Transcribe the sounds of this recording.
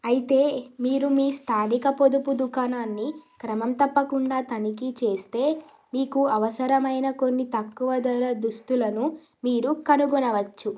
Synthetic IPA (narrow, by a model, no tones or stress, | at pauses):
ɐjit̪e̞ːmiːɾumiːst̪ʰaːɽikɐpo̞d̪upud̪ukaːnaːnːikɾɐmɐmt̪ɐpːɐkuɳɖaːt̪ɐnikit͡ʃe̞ːst̪e̞ː | miːkuɐʋɐsɐɾɐmɐjnɐko̞nːit̪ɐkːuʋɐd̪ɐɾɐd̪ust̪ulɐnu | miːɾukɐnuɡɔnɐʋɐt͡ʃːu